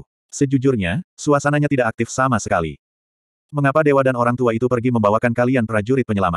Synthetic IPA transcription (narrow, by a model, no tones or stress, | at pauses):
səd͡ʒud͡ʒʊrɲasuasanaɲat̪idaʔak̚t̪ɪfsamasəkalḭ | məŋapadewadanoɾaŋt̪uait̪upərɡiməmbawakankalianpɾad͡ʒuɾɪt̪̚pəɲəlama̰t̪̚